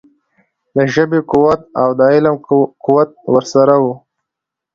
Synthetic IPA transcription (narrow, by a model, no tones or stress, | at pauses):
d̪əʒəbekuwat̪̚awd̪əɪləmkuwat̪̚wəɾsaɾawu